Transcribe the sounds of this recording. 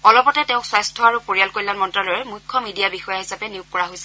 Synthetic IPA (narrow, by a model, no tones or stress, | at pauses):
ɔlɔpɔtɛtɛʊ̃kswastʰɔaɹupoɹialkoɹilanmɔntɹalɔjɛmujkʰːɔmidijabixɔjaɦisapɛniʊkkɔɹaɦojsɛ̥